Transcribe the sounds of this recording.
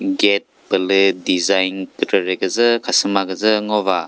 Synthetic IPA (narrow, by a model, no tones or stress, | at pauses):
ɡet̚pɯlɯdizajnkɯtɯɾeɡɯzɯkʰasɯmaɡɯzɯŋɔβa